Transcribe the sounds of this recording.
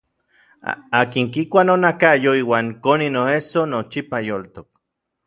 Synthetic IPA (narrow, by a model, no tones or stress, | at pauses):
akiŋkikʷanonakajoiːwaːŋkoninoesonot͡ʃipajolt̪ok̚